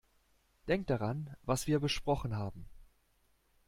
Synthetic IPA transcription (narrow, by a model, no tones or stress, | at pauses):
d̥ɛŋk̚d̥aʁanvasv̥iːɐbəʃpʁ̥ɔχn̩ɦaːbm̩